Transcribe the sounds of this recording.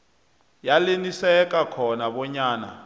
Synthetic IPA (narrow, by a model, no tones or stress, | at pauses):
jalinisɛkakʰɔnaβɔɲaːna̰